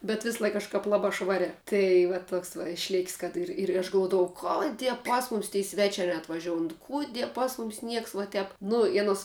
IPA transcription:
bʲɛt ˈʋʲɪslˠɐɪk kɐʃˈkɐp ˈlˠɑːbɑː ˈʃʋɑːrʲæː ˈtɐɪ ʋɐ ˈtoːks ʋɐ ɪʃʲˈlʲeːkʲsʲ kɐt ˈɪr ɪr ɐʃ ɡɐlˠˈʋuɔdɐʋɐʊ ˈkoːˌdʲiɛ ˈpɐs mʊˌmʲɪs tʲɛɪ ˈsʲʋʲæːt͡ʃʲæː nʲɛɐtʋɐˈʒʲoːʊn ˈkʊdʲiɛ ˈpɐs mʊmʲsʲ ˈnʲiɛks ʋuɔ ˈtʲɛp ˈnʊ ɪ ɐˈnoːs

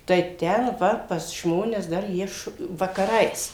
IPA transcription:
tɐɪ ˈtʲɛn ˈʋɐ pɐs ˈʒmoːnʲɛs dɐr ˈjiɛ ʃ ʋɐkɐˈrɐɪs

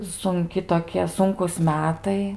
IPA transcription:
sʊŋʲˈkʲɪ toːˈkʲiɛ ˈsʊŋkuːs ˈmʲæːtɐɪ

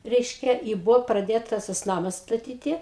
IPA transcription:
ˈrʲɛɪʃʲkʲɛ ɪ ˈbʊʋoː prɐˈdʲeːtɐs tɐs ˈnɑːmɐs stɐˈtʲiːtʲɪ

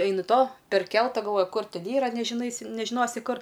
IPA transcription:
ˈɐɪnʲɪ toː pʲɛrʲˈkʲɛlˠtɐ ɡɐlˠˈʋoːjɪ ˈkʊr ˈtʲɛn ˈiːrɐ nʲɛʒʲɪˈnɐɪsʲɪ nʲɛʒʲɪˈnoːsʲɪ ˈkʊr

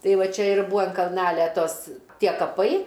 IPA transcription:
ˈtɐɪ ˈʋɐ ˈt͡ʃʲɛ ɪr ˈbʊɐ ɐn kɐlˠˈnɑːlʲɛ ˈtoːs ˈtʲiɛ kɐˈpɐɪ

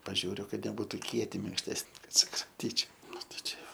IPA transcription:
pɐˈʒʲuːrʲʊ ˈkɐt nʲɛˈbuːtuː ˈkʲiɛtʲɪ mʲɪŋkʃʲˈtʲæːsʲnʲɪ ˈkɐt sʊkrɐmʲˈtʲiːt͡ʃʲɛʊ ˈnʊ tɐɪ t͡ʃʲɛ ˈjoː

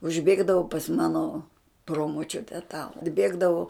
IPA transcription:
ʊʒʲˈbʲeːɡdɐʋʊ pɐs ˈmɑːnoː ˈproːmoːt͡ʃʲʊtʲɛ tɐ ɐdʲˈbʲeːɡdɐʋʊ

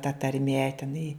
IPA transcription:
tɐ tɐrʲˈmʲiɛ tʲɛˈnɐɪ

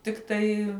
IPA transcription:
ˈtʲɪktɐɪ

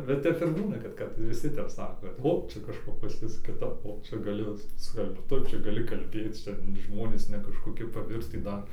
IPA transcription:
bʲɛt ˈtʲɛp ɪr ˈbuːnɐ kɐt ˈkɐt ʋʲɪˈsʲɪ ˈtʲɛp ˈsɑːkoː ˈoː ˈt͡ʃʲɛ kɐʃˈkoː pɐs ˈjʊs kʲɪˈtɐp oː ˈt͡ʃʲɛ ɡɐˈlʲeːjoː ˈsʲkʲɛlˠpt ˈtʊ ˈt͡ʃʲɛ ɡɐˈlʲɪ kɐlʲˈbʲeːt ˈt͡ʃʲɛ ˈʒmoːnʲeːs nʲɛ kɐʃkoːˈkʲɪ pɐˈʋʲɪrʲtʲiː ˈdɐr

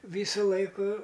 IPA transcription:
ˈʋʲiːsʊ ˈlˠɐɪkʊ

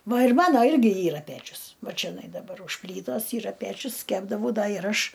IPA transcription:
ˈʋɐ ɪr ˈmɑːnoː ˈɪrʲɡʲɪ ˈiːrɐ ˈpʲæːt͡ʃʲʊs ˈʋɐ t͡ʃʲɛˈnɐɪ dɐˈbɐr ʊʃ ˈpʲlʲiːtoːs ˈiːrɐ ˈpʲæt͡ʃʲʊs ˈkʲæːbdɐʋɐʊ ˈdɐ ɪr ˈɐʃ

